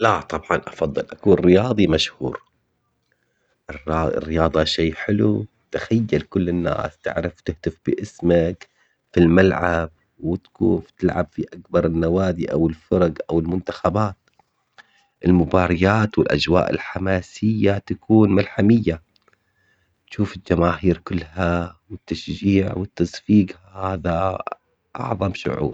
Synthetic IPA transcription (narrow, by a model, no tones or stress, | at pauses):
lat̪ˤɑbʕɑnʔɑfɑðˤːɨlʔakuːnrɪjɑːðˤimaʃhṵːɾ | ʔɪrɪ̰rːɪjɑːðˤɑʃeːħɪlu | t̪axajːalkʊlːɪnːa̰ːst̪ɪ̰ʕɾɪft̪ɪht̪ɪfb̥ɪʔɪsmak | filmalʕab̚ | wɪt̪kuːft̪ɪlʕabfiʔakbɑɾˤɪnːawaːd̪iʔawɪlfʊɾˤɑɡʔawɪlmʊnt̪axabaːt̪̚ | ʔɪlmʊbɑːɾˤɑjaːt̪wɪlʔa̰d͡ʒwa̰ːʔɪ̰lħamaːsɪjːat̪akʰuːnmalħamɪjːa | t̪ʃuːfɪld͡ʒamaːɦiːɾkʊlːhawɪt̪ːaʃd͡ʒiːʕwɪt̪ːasfiːɡ | haːða | ʔɑ̰ʕðˤɑmʃʊ̰ʕṵːɾˤ